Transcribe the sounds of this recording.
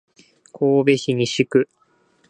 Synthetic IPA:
kʰoːbe̞çiɲ̟iɕikɯ̟

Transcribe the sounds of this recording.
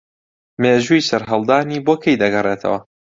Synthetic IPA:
meːʒujsɐɾɦɐlˠd̪aːniːboːkʰejd̪ɐɡɐreːt̪ʰɐ̰wɐ

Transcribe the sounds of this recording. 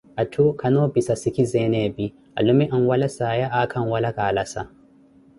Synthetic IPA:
ʔatʰukʰanoːbisasikizɛːneːbi | ʔa̰lumiʔanwɐlasaːjaʔakʰɐnwalaɡaːlasa

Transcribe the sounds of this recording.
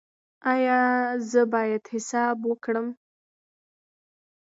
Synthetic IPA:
ɑjɑzəbɑjad̪hɪsɑbwəkɽəm

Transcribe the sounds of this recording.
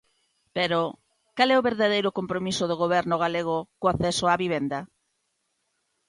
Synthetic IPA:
peɾo | kalɛʊβeɾðað̞ejɾʊkompɾomisoðoɣoβ̞ɛɾnʊɣ̞aleɣ̞ʊkoaθɛsoaβiβ̞end̪ɐ

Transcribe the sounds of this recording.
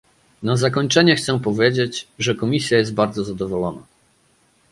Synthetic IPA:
nazakɔɲt͡ʂɛɲɛxt̪sɛpɔvʲjed͡ʑed͡ʑʐɛkɔmʲisʲjajɛst̪̚baɾd̪zɔzad̪ɔvɔlɔna̰

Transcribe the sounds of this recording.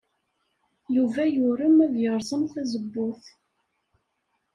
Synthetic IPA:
juvæjʊɾəmæðjəɾˤzˤəmθæzəbːʊθ

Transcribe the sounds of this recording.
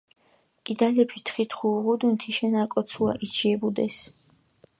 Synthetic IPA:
kʼid̪alɛpʰit̪ʰχit̪ʰχuʁud̪unt̪ʰiʃɛnakʼɔt̪sʰua̰ʔisʃiɛbud̪ɛs

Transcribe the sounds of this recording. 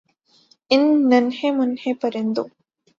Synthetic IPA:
ɪnːənhemʊnhepəɾɪnd̪o

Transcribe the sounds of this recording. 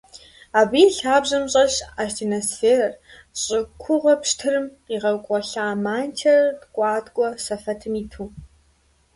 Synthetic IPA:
aːbiːɬaːbʑɐmɕʼɐɕaːʃdʰinosfeːɾɐr | ɕʼɪkʷʰʊʁɐpʃtʰɨɾɨmqiːʁɐkʷʼɔɬaːmaːntʰɐrɐrtkʷʼɑːtkʷʼɔsɐfɐtʰɨmiːtʰuː

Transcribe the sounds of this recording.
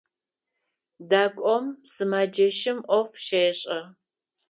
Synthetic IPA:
daːkʷʼɔmsɨmaːd͡ʒɐʃɪmʔʷɔfʃeːɕʼɐ

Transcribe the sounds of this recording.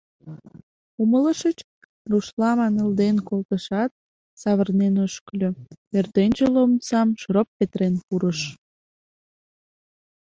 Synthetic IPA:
umələʃət͡ɕ | ruʃlɑmɑnəld̪enkolt̪əʃɑt̪̚ | sɑβərnenoʃklʲøert̪enʲt͡ɕəlomsɑmʃropːet̪ɾenpuɾəʃ

